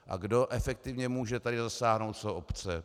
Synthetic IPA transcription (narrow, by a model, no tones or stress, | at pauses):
ʔa̰ɡdo̞ʔɛfɛk̚t̪ɪvɲɛmuːʒɛt̪adɪzasaːɦno̞wt̪soʔopt͡sɛ